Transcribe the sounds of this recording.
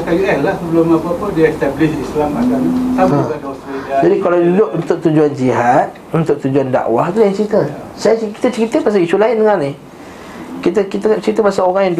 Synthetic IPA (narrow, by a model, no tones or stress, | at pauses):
ak̪aɡilalahsəbəlʊmapapudiəst̪ablɪsislama̰ɡamsaə̃kadasiad͡ʒadikalawdudʊʔunt̪ʊk̚t̪ud͡ʒuand͡ʒiɦat̪̚ | unt̪ʊk̚t̪ud͡ʒuanda̰ʔwahit̪ulahjaŋt͡ʃəɾit̪əsajki̥t̪ət͡ʃəɾit̪əpas̬aisulaɪndəŋanih | kit̪əkit̪ət͡ʃəit̪əpasaoɣaŋjaŋd